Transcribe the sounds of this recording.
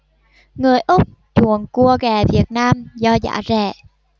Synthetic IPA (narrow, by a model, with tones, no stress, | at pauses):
ŋɨ˨˩əjʔʊ˦˥k͡p̚ | t͡ɕu˧˩˨ənku˧˩əɣɛ˨˩vi˨˩ət̚naː˧mzɔ˧za̰ː˧˥zɛ̰˧˩˨